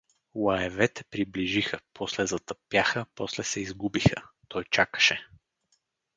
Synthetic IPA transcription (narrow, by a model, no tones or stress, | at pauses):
lˠɐɛvɛt̪ɛ̥pɾibliʒixəpʰɔslɛzɐt̪əpjaxəpɔslɛsɛizɡubixə̰t̪ɔjt͡ʃakə̥ʃɛ